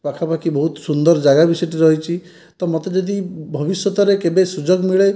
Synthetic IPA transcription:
pakʰapakibɔɦut̪sund̪ɔɾd͡ʒaɡabisɔjʈiɾɔɦit͡ʃʰi | t̪ɔmɔt̪ed͡ʒɔd̪ibʱɔbisjɔt̪ɔɾekebesud͡ʒoɡmiɭe

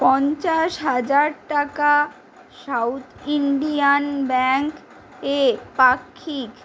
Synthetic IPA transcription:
pɔnt͡ɕaʃɦad͡ʑaɾʈaka | ʃawt̪ʰiɳɖijanbɛŋk | epakʰːik

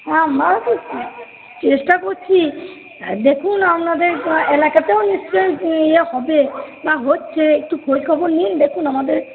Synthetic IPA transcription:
ɦãmat̪u | t͡ʃesʈakoɾt͡ʃʰi | d̪ekʰunapnad̪eɾelakat̪eonist͡ʃɔjehɔbebaɦotːt͡ʃʰeek̚ʈukʰojkʰɔbɔɾnind̪ekʰunamad̪eɾ

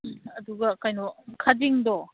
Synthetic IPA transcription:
ɐduɡɐkajnɔkʰad͡ʒiŋdɔ

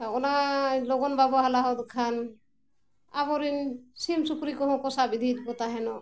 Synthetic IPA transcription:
aɔnalɔɡɔnbabɔɦalaɦɔd̪ɔkʰan | abɔɾinsimsupɾikɔɦɔ̃kɔsabid̪ʱid̪̚bɔt̪aɦɛnɔ

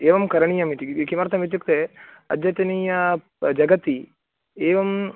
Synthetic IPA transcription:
eːʋɐmkɐɾɐɳijɐmit̪ikimɐɾt̪ʰɐmʋit̪̬juk̚t̪e | ɐd̪jɐt̪ɐnijɐ | d͡ʒɐɡɐt̪i | eːʋɐm

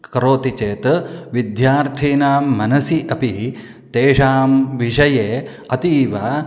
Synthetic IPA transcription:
kɐɾoːt̪it͡ʃeːt̪ʋid̪jaːɾt̪ʰiːnaːmːɐnɐsiʔɐpi | t̪eːʂaːmʋiʃɐjeː | ɐt̪iːʋa

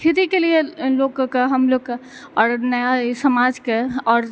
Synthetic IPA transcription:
kʰiɾikelijelokkːɦəmlokːe | ɔɾnəjasəmad͡ʒkeɔːɾ

